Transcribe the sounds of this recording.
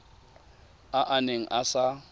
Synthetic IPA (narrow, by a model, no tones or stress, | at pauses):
aʔaneŋ̩ʔasa